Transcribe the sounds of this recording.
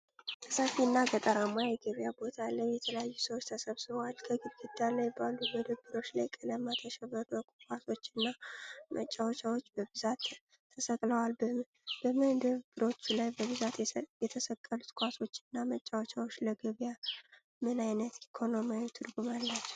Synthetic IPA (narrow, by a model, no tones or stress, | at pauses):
t̪ʰəsafiɨnːaɡət̪ʼəɾamːajɛɡəβjabo̞t̪ʰaləjɛt̪ʰələjajːusəwot͡ʃːt̪ʰəsəβsɨβəwalkʰəɡɨɡɨd̪alajbalːuməd̪əβbɨɾo̞t͡ʃːlajkʼələmːat̪ʰəʃɛβəɾəkʼukʼwaso̞t͡ʃːɨnːamʔət͡ʃʼːawot͡ʃawot͡ʃːbəbɨzat̪ʰː | əsəkʼləwalb | b̥əməd̪əβbɨɾo̞t͡ʃːlajbəβɨzat̪jɛt̪ʰəsəkʼːəlut̪kʷʼaso̞t͡ʃːɪɨnːamət͡ʃʼːawot͡ʃʼawot͡ʃːləɡəβja | mɨnajnət̪ikʰo̞nomajt̪ʰɨd̪ɡumalːat͡ʃː